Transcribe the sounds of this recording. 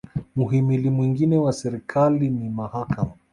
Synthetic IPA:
muɦimilimwiŋɡinɛwasɛɾikʰalinimahakama

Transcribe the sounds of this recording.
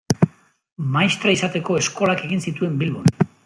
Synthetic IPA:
majst̪ɾaisat̪e̞ko̞e̞sko̞lake̞ɣinsit̪ue̞mbilβon

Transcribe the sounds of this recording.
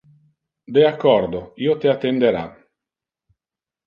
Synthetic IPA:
d̪eakːɔɾd̪oiːot̪eat̪ːend̪eɾa̰

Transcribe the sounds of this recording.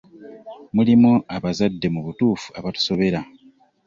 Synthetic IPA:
mulimoaβazadːe̞muβutuːfu̥aβatu̥so̞βe̞ɾa

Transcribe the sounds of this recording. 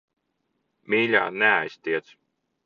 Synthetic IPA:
miːlʲa̰ːnɛa̰jsʲt̪ʲiɛt̪s

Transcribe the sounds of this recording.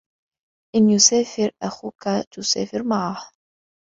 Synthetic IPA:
ʔɪnjʊsaːfɪɾʔaxuːkat̪ʊsa̰ːfɪɾmaʕah

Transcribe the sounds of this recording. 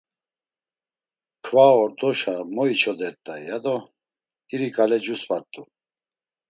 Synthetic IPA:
kʰvaɔɾd̪ɔʃamɔit͡ʃʰɔd̪ɛɾt̪ʼajjad̪ɔ | iɾikʼalɛd͡ʒusvaɾt̪ʼu

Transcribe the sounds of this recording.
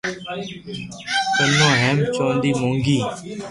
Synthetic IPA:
t̪əmõːɦeːmt͡ʃõːnd̪iːmõːŋɡiː

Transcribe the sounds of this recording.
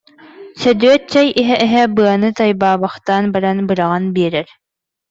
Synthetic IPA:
sœd̪yœt͡ɕɛjiɦɛʔɛɦɛbɯɐnɯt̪ajbaːbaχt̪aːnbaɾanbɯɾaʁanbiɛɾɛɾ

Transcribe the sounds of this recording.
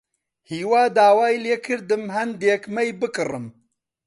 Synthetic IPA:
hiːwaːd̪aːwaːjleːkʰɨɾd̪ɨmɦɐnd̪eːkmɐjbɨkɨrɨm

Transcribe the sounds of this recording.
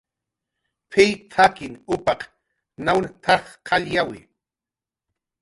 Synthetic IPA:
pʰijt̪ʰakɪnʊpɑq | nawnat̪ʰɑχqʰɑʎjawɪ̰

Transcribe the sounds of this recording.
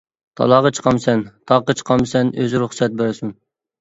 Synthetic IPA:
t̪ʰɑ̰lˠɑʁɑt͡ʃʰə̥qʰɑmsɛnt̪ʰɑqːət͡ʃʰə̥qʰɑmsɛnøzɪɾuχsɛt̪̚bæɾsym

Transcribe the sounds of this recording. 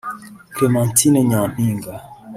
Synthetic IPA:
kemantinɛɲãm̥iŋɡa

